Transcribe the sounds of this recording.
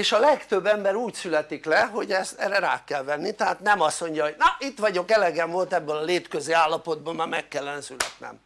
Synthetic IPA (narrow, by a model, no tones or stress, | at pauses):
eːʃɒlɛkt̪øbːɛmbɛɾuːcsylɛt̪iklɛɦo̞ɟɛst̪ɛːrːɛɾa̰ːkɛlʋɛnːit̪ɛɦaːt̪nɛmɒsːo̞ɲɟjɒɦo̞ɟnɒʔit̪ʋɒɟo̞kɛlɛɡɛɱvolt̪ɛbːølɒleːt̪køzeːaːlːɒpo̞d̪̚boːlmaːmɛkːɛlːɛnɛsylɛ̰t̪nɛ̰m